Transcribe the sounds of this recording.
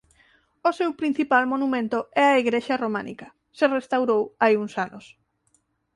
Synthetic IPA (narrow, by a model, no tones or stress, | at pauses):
osewpɾin̟θipalmonumẽnt̪oɛɐiɣɾeʃaroma̰nḭkɐ | serest̪awɾowajuŋsanʔos